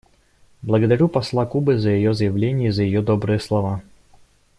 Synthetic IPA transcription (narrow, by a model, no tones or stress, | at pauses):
blˠəɡəd̪ɐɾʲupɐslˠakubɨzəjɪjozəjɪvlʲenʲɪjəzəjɪjod̪obɾɨjəslˠɐva